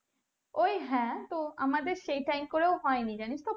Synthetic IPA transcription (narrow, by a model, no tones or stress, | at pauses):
ojɦɛ̃t̪oa̰mad̪eɾʃejʈajmkoɾeoɦɔenid͡ʑaniʃt̪o